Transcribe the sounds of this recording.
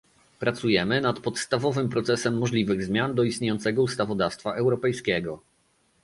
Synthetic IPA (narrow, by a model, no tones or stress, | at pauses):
pɾat̪sujɛmɘnat̪pɔt̪st̪avɔvɘmpɾɔt̪sɛsɛmːɔʐlʲivɘɣzmʲjand̪ɔist̪ɲejɔnt̪sɛɡɔust̪avɔd̪afst̪faʔɛwɾɔpɛjskʲɛɡɔ